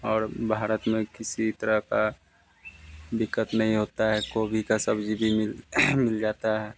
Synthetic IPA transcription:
ɔːɾbʱaːɾət̪mẽkɪsit̪əɾəɦka | d̪ɪkːət̪nɐɦĩɦoːt̪aɦɛkoːbʱikasəbd͡ʒibʱimɪlmɪld͡ʒaːt̪aɦɛː

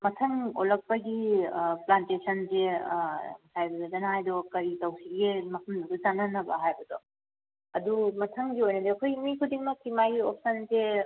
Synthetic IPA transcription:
mɐtʰɐŋolɐk̚pɐɡiplantesʰɐnze | sʰajbɐdɔdɐnaɦajdɔkɐɾitɐwsiɡimɐpʰumduɡɐzanɐnːɐbɐ̰ɦajbɐdɔ | ɐdumɐtʰɐŋɡiojnɐdiɐkʰojmikʰudiŋmɐkimajiop̚sɐnze

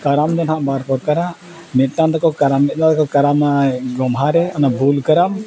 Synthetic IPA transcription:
kaɾamd̪anɦaʔbaɾpɔɾkaɾaʔ | mɛʈand̪ɔkɔkaɾamːɛd̪ad̪kɔkaɾamaɡɔmɦaɾɛanabulkaɾam

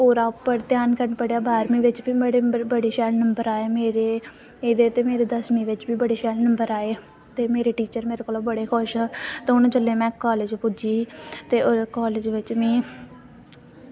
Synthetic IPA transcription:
oːɾaːpəɾt̪jaːnkəɾɳpəɽejaːbʱaːɾmĩːʋɪt͡ʃbiːəɽeːbəɽeːʃɛːlnəmbəɾaːeːmeːɾeː | eːd̪eːt̪eːmeːɾeːd̪əsmiːʋɪt͡ʃbiːbəɽeːʃɛːlnəmbəɾaːeː | t̪eːmeːɾeːʈiːt͡ʃəɾmeːɾekoːloːbəɽeːkʰʊʃt̪ẽːʊñːt͡ʃəleːmɛ̃ːkaːlɪd͡ʒpʊd͡ʒiːt̪eːʊkaːlɪd͡ʒʋɪt͡ʃʋĩː

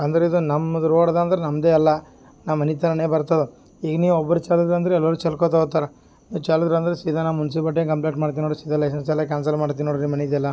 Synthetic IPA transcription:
ɐnd̪ɐɾeid̪unɐmɐd̪ɐɾoːɽɐd̪aːnd̪ɐɾenɐmd̪eːɐlːɐ | naːʋmɐnit̪ɐnɐneːbɐɾt̪ɐd̪u | iːɡɐniːʋuɔbːɐɾut͡ʃaːlud̪ɾɐnd̪ɐɾeɛlːɐɾut͡ʃɐlkot̪̬oɡt̪aːɾe | niːʋut͡ʃaːlud̪ɾɐnd̪ɐɾesiːd̪ʱanaːmunsibɐʈ̬ːeːkɐmpleːʈmaːɽt̪inoːɽsiːd̪ʱɐlːɐjs̬ɐnsɛlːɐk̬ʲaːnsɐlmaːɽt̪̬inːoːɽɾimɐneid̪ɛlːɐ

